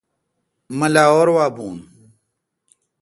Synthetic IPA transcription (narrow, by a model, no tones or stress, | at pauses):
mɐlaːoːɾwaːbuːn